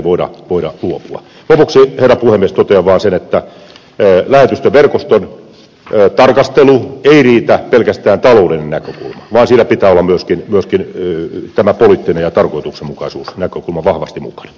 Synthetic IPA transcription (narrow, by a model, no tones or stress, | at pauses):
ʋoiɾɑ̰ʋoiɾɑ̰luopuɑ̰ | lopuksiherːɑpuhemːiest̪ot̪eɑʋɑːnsenet̪ːæ | læhet̪yst̪eʋerkost̪on | t̪ɑrkɑst̪elueiriːt̪æpelkæst̪æːnt̪ɑloulinenækøkṵlmɑʋɑːnsiːnæpit̪æːolːɑmyøskinmyøskint̪æmæpolit̪ːinejɑt̪ɑrkoit̪uksemukɑisuːsnækøkulmɑʋɑhʋɑst̪imṵkɑ̥n